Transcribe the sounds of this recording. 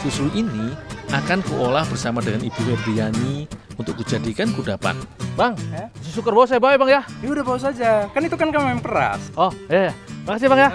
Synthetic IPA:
susʊliniʔakankuʔolahb̥ərsamadəŋanibuwɛbijaniunt̪ʊkːud͡ʒadikankudapa̰nbaŋsəsukərbawus̬ajabawebaŋjaiudahbawus̬ad͡ʒakanit̪ukankammaŋpəɾa̰sʔɔhjajabakas̬iabaŋja

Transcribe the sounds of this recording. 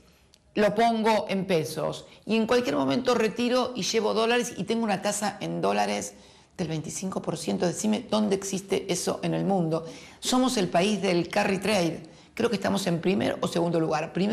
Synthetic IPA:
lo̞po̞ŋɡo̞ʔempeso̞̰sie̞ŋkwalkjeɾmo̞mẽ̞nt̪o̞re̞t̪iɾo̞ʔiʒe̞βo̞ðo̞laɾesḭt̪e̞ŋɡounat̪asaʔend̪o̞laɾez | ð̥e̞lβe̞jnt̪i̥siŋko̞po̞ɾsje̞nt̪oðesimed̪o̞nd̪eeːksist̪ḛʔeso̞̰ʔene̞lmũnd̪o̞so̞mo̞se̞lpaizðe̞lkarit̪ɾejð | kɾe̞o̞kest̪a̰mo̞se̞mpɾimḛɾʔoseɣund̪o̞luɣaɾpɾi

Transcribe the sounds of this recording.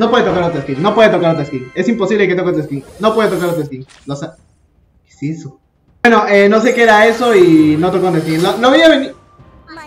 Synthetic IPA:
no̞pwe̞ðet̪okaɾot̪ɾeskiŋno̞pweðet̪okaɾot̪ɾeskiŋe̞simpo̞siβle̞ket̪o̞kot̪ɾeskiŋno̞pwe̞ðet̪okaɾot̪ɾeskiŋ | losa | ke̥siso | eno̞ʔeno̞s̬e̞keeɾae̞so̞ino̞t̪okont̪eskiŋloloβiaβeni

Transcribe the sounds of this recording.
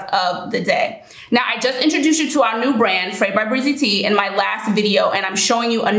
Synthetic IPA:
ʌvðɨdɛd | naʊʔaɪd͡ʒʌstɪ̃nt͡ʃɹ̥ɨdʉst͡ʃɨɾəaʊə˞nʉbɹæ̃nd̥fɹeɪd̚baɪbɹizitʰiɨ̰̃nmaɪlæstvɪɾioʊʔɨ̃ñãɪ̃mʃoʊɪ̃ŋjɨʔən

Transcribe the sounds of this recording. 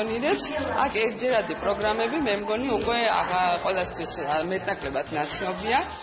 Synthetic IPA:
ɔniɾɛpsa̰kʰɛɾt̪̚ʰd͡ʒɛɾad̪ipʼɾɔɡɾamɛbimɛmɡɔniukʼwɛa̰aqʼwɛlˠast̪ʰwismɛt̪ʼnakʼlɛbat̪ʰnat̪sʰnɔbia

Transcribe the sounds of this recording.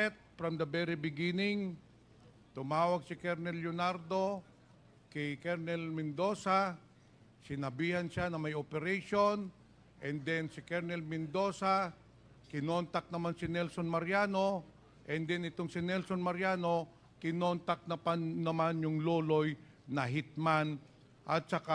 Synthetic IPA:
ɛt̪̚fɾɐmd̪ɐbɛɾɪbɪɡinɪŋ | t̪ʊmaːwɐɡ̚sɪkɛɾnɛljonaɾd̪o̞ | kɛkɛɾnɛlmɛnd̪o̞ːsa | sɪnɐbiːhɐnʃanɐmɐjopɛɾɛjʃo̞n | ʔɛnd̪ɛnsɪkɛɾnɛlmɛnd̪o̞ːsa | kɪnont̪ɐk̚nɐmansɪnɛlsonmɐɾjaːno̞ | ʔɛnd̪ɛnɪt̪oŋsɪnɛlso̞nmɐɾjaːno̞ | kɪnont̪ɐk̚nɐpannɐmanjʊŋloːloj | nɐɦɪt̪̚man | ʔɐt̪̚sɐka

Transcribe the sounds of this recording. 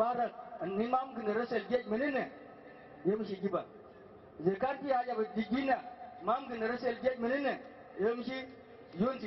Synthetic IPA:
aɾak̚ənːimamɡɨnaɾəselɡʲet̚minine | jemʃiɡʲiba | zekaɾpijad͡ʒabədiɡʲinamamɡɨnəɾəselɡʲet̚minine | jemʃi | d͡ʒond͡ʒi

